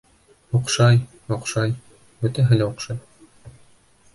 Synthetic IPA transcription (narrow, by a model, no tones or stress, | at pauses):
uqʃɑj | joqʃɑj | bɵ̆t̪æɦɘ̆læuqʃɑj